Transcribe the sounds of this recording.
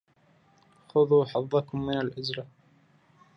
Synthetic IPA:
xʊðˤuːħɑðˤːɑkʊmːɪnalʔʊzɾɑ

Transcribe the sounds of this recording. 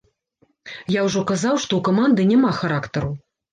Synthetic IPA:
jawʐɔkazawʂt̪ɔwkɐmand̪ɨnʲamaxaɾakt̪ɐɾu

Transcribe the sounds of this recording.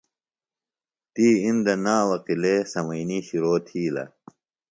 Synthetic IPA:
t̪iːind̪ɐnaːwɐqilesɐmɐjniːɕiɾoːt̪ʰiːlɐ̰

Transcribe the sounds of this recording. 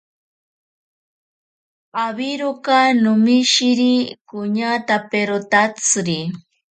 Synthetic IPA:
aβiɾokanʊmiʃiɾikʊɲat̪apeɾot̪at͡sɾi

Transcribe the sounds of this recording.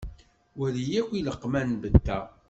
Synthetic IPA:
wæðijækʷːiləqːmænbət̪ːæ

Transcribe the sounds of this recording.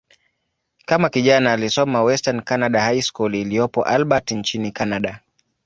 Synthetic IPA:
kamakiʄanaːlisɔmawɛstankanaɗahajskulilijɔpɔ̰ʔalɓatnt͡ʃinikanaɗa

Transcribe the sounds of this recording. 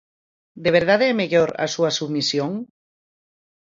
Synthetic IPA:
d̪eβ̞eɾð̞aðemeʎoɾa̰suasuβmisjoŋ

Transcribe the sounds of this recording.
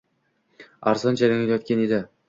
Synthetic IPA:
aɾzɒnd͡ʒalaŋljɒt̪̚kʲʰened̪ɪ

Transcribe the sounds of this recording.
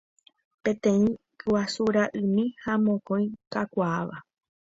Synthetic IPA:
pẽ̞t̪ẽ̞ĩ | kɨwasuɾaʔɨmĩhamõkõj̃kakʷaaʋa̰

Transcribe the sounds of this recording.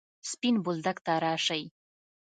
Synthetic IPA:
spinbʊld̪akt̪aɾɑːʂaj

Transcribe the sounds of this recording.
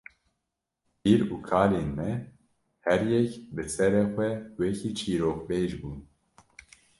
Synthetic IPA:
biːɾuːkʰaːleːnmɛ | hɛɾjɛkbɨsɛɾexʷɛwɛkʰiːt͡ʃʰiːɾoːk̚beːʒbuːn

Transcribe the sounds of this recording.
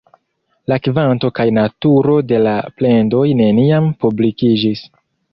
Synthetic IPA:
lakvanto̞kajnatuɾo̞de̞laple̞ndo̞jne̞niampublikid͡ʒis

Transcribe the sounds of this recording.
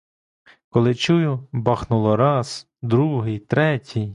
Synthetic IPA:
kɔlˠɪt͡ʃujʊbɑxnʊlˠɔɾɑz | d̪ɾuɦɪjt̪ɾɛtʲʰij

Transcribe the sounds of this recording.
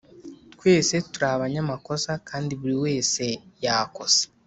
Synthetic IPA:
twe̞ːse̞tuɾaβaɲamako̞sakaːndiβuɾiwe̞ːse̞jaːko̞se̥

